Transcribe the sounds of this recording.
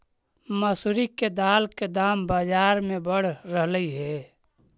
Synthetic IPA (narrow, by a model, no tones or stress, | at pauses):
məsuɾiked̪aːlked̪aːmbad͡ʒaːɾmebəɽ̤ɾəɦləiɦɛ